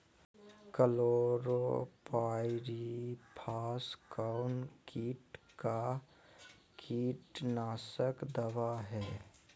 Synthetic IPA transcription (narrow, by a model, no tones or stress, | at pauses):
kəloːɾopaːɪɾipʰaːskaʊnkiːʈka | kʰiːʈnaːsəkd̪əʋaɦɛː